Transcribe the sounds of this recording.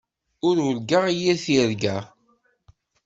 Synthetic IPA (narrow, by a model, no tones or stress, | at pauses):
ʊɾʊlɡaʁijiθiɾɡæ